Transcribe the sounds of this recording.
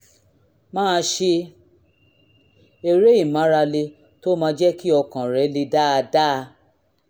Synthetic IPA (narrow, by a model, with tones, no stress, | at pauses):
mãː˦˧ʃe˧ | e˧ɾe˦i˦˨mã˨˦ɾa˧le˧ | to˦mã˧˦d͡ʒɛ˦ki˦ɔ˧kã˨ɾɛ˨˦le˧da˦a˧da˦˧